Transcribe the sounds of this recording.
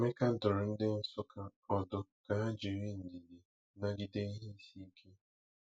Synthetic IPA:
me˦ka˦dʊ˨ɾʊ˨n̩˦dɪ˦n̩˦sʊ˦ka˦ɔ˨dʊ˨ka˨a˦d͡ʒi˨ɾi˦n̩˨di˨di˨ | na˦ɡi˦de˦i˦ɦe˦si˦i˦kʰe˦

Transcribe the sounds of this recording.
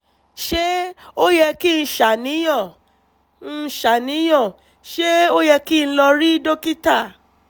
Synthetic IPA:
ʃe˦o˦jɛ˧ki˦˧n̩˧ʃa˨nĩ˨˦j̃ɔ̃˦˨ | n̩˦˧ʃa˨nĩ˨˦j̃ɔ̃˦˨ | ʃe˦o˦jɛ˧kĩ˦˨˧lɔ˧ɾi˦do˦ki˦ta˦˨

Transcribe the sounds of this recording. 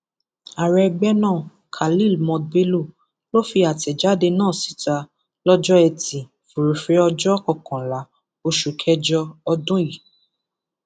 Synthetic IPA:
a˨ɾɛ˧˨ɡ͡bɛ˦nãː˦˨ | kʰa˨li˦˨lmɔ̃˧be˦lo˦˨ | lo˦fi˧a˨tɛ˨d͡ʒa˨˦de˧nãː˦˨si̥˨˦ta˧ | lɔ˦d͡ʒɔ˦ɛ˧˨tĩ˨ | fu˨ɾi˨fɾe˨˦ɔ˧d͡ʒɔ˦kɔ˦˨kɔ̃˨la˨˦ | o˧ʃu˨kʰɛ˧d͡ʒɔ˧ɔ˧dũ˦ji˨

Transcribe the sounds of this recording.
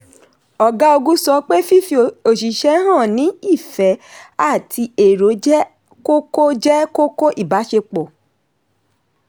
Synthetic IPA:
ɔ˨ɡa˦o˧ɡũ˦sɔ˧˦k͡pe˦fi˦fi˧o˨ʃi˨ʃɛ˦ɦã˦˨nĩ˨˦i˦˨fɛ˨˦a˦˨tʰi˧e˨ɾo˨˦d͡ʒɛ˦ | ko˦ko˦d͡ʒɛ˦ko˦ko˦ʔi˦˨ba˨˦ʃe˧k͡po˨

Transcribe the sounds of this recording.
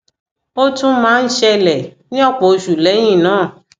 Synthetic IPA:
o˦tũ˦mãː˨˦n̩˦ʃɛ˧lɛ˨nĩ˦ɔ˦˨k͡pɔ˨o˧ʃu˨lɛ˨˦j̃ĩ˦˨nãː˨˦˨

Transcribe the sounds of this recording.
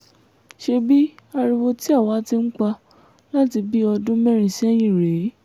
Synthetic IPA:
ʃe˧bi˦a˧ɾi˧wo˧ti˦a˦˨wa˨˦ti˧ŋ̩˦k͡pa˧ | la˦ti˧bi˦ɔ˧dũ˦mɛ˦ɾ̃ĩ˨sɛ˦j̃ĩ˦˨ɾe˨˦

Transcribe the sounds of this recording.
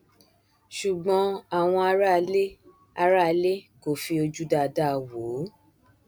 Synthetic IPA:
ʃu˨ɡ͡bɔ̃˨˧˦a˨w̃ɔ̃˧a˧ɾa˦le˦ | a˧ɾa˦˧le˦ko˦˨fi˧o˧d͡ʒu˦da˧da˦˨wo˨˦

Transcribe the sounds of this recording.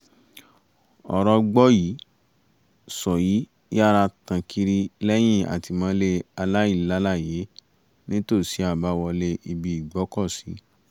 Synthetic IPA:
ɔ̰˨ɾɔ˧ɡ͡bɔ˦ji˨˦ | sɔ˨ji˨˦ | ja˦ɾa˧tã˧kʰi˧ɾi˧lɛ˦j̃ĩ˦˨a̰˨ti˧mã˨˦le˧a˧la˦ji˦˨˦la˦la˦˨je˨˦ | nĩ˦to˦˨si˨˦a˦˨ba˨˦wɔ˧le˧ʔi˧bi˧i˨ɡ͡bɔ˨˦kɔ˦˨si˨˦

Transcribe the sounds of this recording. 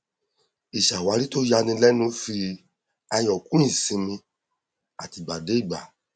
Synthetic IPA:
i˨ʃa˨wa˨˧ɾi˦to˦ja˧nĩ˧lɛ˦nũ˧˦fi˧ | a˧jɔ˨kũ˦ĩ˦˨sĩ˧mĩ˧ | a˨ti˧˨ɡ͡ba˨de˨˦i˦˨ɡ͡ba̰˨

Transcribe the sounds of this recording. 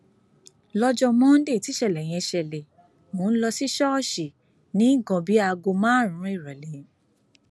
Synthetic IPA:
lɔ˦d͡ʒɔ˧mɔ̃˦n̩˦de˦˨ti˨˦ʃɛ˦˨lɛ˨j̃ɛ̃˧ʃɛ˨lɛ˨ | mõ˨˦n̩˦lɔ˧si˦ʃɔ˦ɔ˦˨ʃi˨ | nĩ˨˦i˦ɡɔ̃˨˧bi˨˦a˧ɡo˧mã˦˨ɾ̃ũ˨˦i˦˨ɾa˨le˨˦

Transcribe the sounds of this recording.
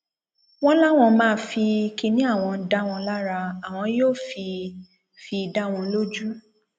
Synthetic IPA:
w̃ɔ̃˦la˦w̃ɔ̃˧mãː˦˧˦fi˧ki˧nĩ˦a˦˨w̃ɔ̃˧˦da˦w̃ɔ̃˧˦la˦ɾa˧a˨w̃ɔ̃˧joː˦˨fi˧ | fi˧da˦˨w̃ɔ̃˧˦lo˦d͡ʒu˦

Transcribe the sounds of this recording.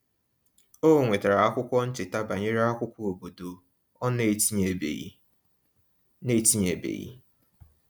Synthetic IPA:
o˦˨ŋʷe˨ta˨ɾa˨a˦kʷʊ˦kʷɔ˦n̩˦t͡ʃɪ˨ta˦ba˨ɲe˦ɾe˦a˦kʷʊ˦kʷu˦o˨bo˨do˨ | ɔ˦ne˦˨˦ɲe˨be˨˦ | ne˦ti˦ɲe˨bḛ˨jḭ˦

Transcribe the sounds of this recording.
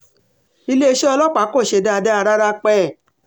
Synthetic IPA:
i˧le˦e˦˧ʃe˦ɔ˧lɔ˦k͡pa˨˦ko˦˨ʃe˧˨da˦a˧da˦a˧ɾa˦ɾa˦k͡pɛ˦˨

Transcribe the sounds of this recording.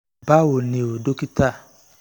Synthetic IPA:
ba˦wo˨nẽ˨o˨do˦ki˦ta˦˨

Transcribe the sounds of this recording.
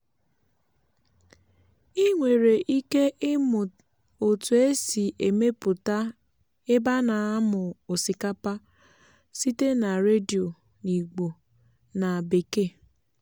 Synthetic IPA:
i˦ŋʷe˨ɾe˨ʔi˦ke˦ʔmʊ˨ | o˨tu˨e˦si˨ʔe˨me˦pʊ˨ta˦ | ɪ˦ba˦na˨a˦mʊ˨o˨si˨ka˦pa˦ | si˦te˦na˨ɾe˦di˨o˨ | ni˨ɡ͡bo˨ | na˨be˨ke˦˨

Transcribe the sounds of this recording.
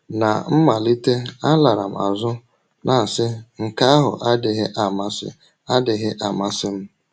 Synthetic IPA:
na̰˨m̩˦ma˨li˦te˦a˦la˨ɾa˨m̩˨a̰˨zʊ˦ | nʔa˨sɪ˦ŋ̩˨ka˦a˦ɦʊ̰˨ʔa˦dɪ˨ɦɪ˦ʔa˦˨ma˦sɪ̰˦ | a˦dɪ˨ɦɪ˦ʔa˨ma˦sɪ˦m̩˦

